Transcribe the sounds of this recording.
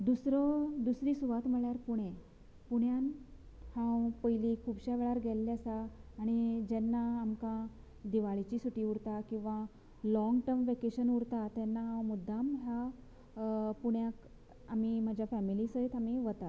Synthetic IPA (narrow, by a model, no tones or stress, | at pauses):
d̪usɾɔd̪usɾiːsuʋat̪m̤əɭjaɾpuɽ̃e | puɽ̃jan | hãwpəjlikʰubɕaʋeɭaɾɡʱɛlːeasaːɽ̃id͡ʑɛnːaːmkã | d̪iʋaɭit͡ɕisuʈiːuɽt̪akĩw̃ʋa | lɔŋɡʈəɾmʋekeɕənuɾt̪at̪jɛnːaɦãwmud̪ʱːamɦja | puɳjak | amim̤ad͡ʑʱjafɛmilisəɦet̪amiʋət̪at̪